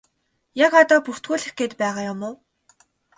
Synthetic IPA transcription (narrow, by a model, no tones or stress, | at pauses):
jakɔt̪ɔːpur̥t̪ɡuːɮɘ̆xɡeːt̪pæːʁaːjʊmʊː